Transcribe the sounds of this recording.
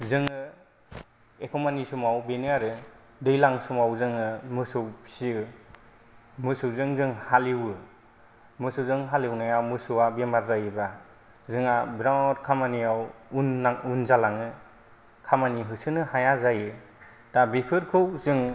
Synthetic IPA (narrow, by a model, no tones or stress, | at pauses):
zɯŋɯ | ekʰɔmanisumawbeniaɾɯ | dɯjlaŋsumawzɯŋɯmɯsɯwsi | mɯsɯwzɯŋzɯŋhaliwɯ | mɯsɯwzɯŋɦaliwnajawmɯsɯwabemaɾzajɯbɾa | zɯŋabɾatkʰamaniawunːaŋunzalaŋɯ | kʰamaniɦɯsɯnɯhajazajɯ | tabepʰɯɾkʰɯwzɯŋ